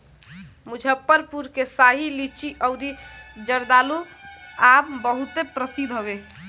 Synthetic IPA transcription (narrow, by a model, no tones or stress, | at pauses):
mud͡ʒʱəpːəɾpuɾkesaɦilit͡ʃiʔɔʊɾid͡ʒəɾd̪aluabbəɦut̪epɾəsid̪ʱɦobe